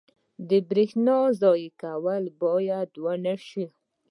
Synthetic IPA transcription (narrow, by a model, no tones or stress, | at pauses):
d̪əbɾixnɑzɑjikawəlbɑjad̪wanaʃi